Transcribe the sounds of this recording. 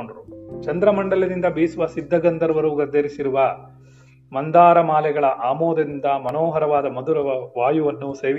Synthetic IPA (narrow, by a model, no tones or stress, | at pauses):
oɳɖɐɾut͡ʃɐnd̪ɾɐmɐɳɖɐlɐd̪ind̪ɐbiːsuʋɐsid̪ʱːɐɡɐnd̪ɐɾɐʋɐɾuːɡɐɾd̪ʱeɾisiɾuʋɐ | mɐnd̪aːɾɐmaːlɛɡɐɭɐʔaːmoːd̪ɐind̪ɐmɐnoːɦɐɾɐʋaːd̪ɐmɐd̪uɾɐɐʋaːjuʋɐnːuse̞ːʋ